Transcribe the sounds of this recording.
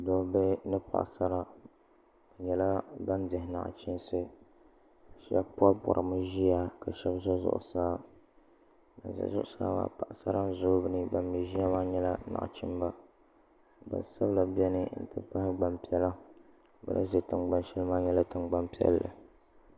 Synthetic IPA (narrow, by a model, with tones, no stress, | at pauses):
dɔ˨be˦nɨ˦pa̰˨ʔsa˦ɾa˦ | a˨ɲɛ˨la˦ba˦ndɨ˨hɪ˦na̰˨ʔt͡ʃɪ˦nsɨ˦ | ʃi˦a˦pu˦a˦pɔ̰˨ɾʔɨ˨mɨ˦ʒi˦ja˦ka˨ʃɛ˦bzɔ˦zʊ̰˦ʔʊ̰˦˨saː˦ | na̰˨zɔ̰˨zʊ˦ʔʊ˦saː˦wa̰˨˦pa˨ʔsa˦ɾa˦n˦zʊ˦bɨ˦nɨ˦ba˨mjɛ˨ʒi˦a˦maː˦ɲɛ˦la˦na̰˨ʔt͡ʃi˦mba˦ | ba̰˨nsa˦bla˨bi˦ɛ˦nɨ˦n̩˦˨tɨ̰˦pa˦hɪ˦ɡ͡ba˨mpi˨˦ɛ˦la˦ | bɨ̰˦nʔɨ̰˦ʒe˨tɨ˨nɡ͡ba˨nʃɛ˦lɨ˦ma˦ɲɛ˦la˦tɨ˨ŋɡ͡ba˦mpi˦ɛ̰˦llɨ̰˨